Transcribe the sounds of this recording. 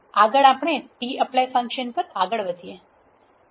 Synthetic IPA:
aɡəɭapɽ̃eʈiəplejfə̃ŋkʃənpəɾaɡəɭʋəd̪ʱije

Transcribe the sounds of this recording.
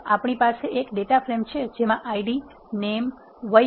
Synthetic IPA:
apɳ̃ipaseʔekɖeʈafɾemt͡ʃʰed͡ʒemãʔaiɖi | nem | ʋə

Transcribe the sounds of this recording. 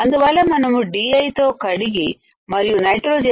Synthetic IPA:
ɐnd̪uʋɐlɐmɐnɐmuɖiːɐjt̪oːkɐɽiɡi | mɐɾijunɐjʈɾoːd͡ʒe

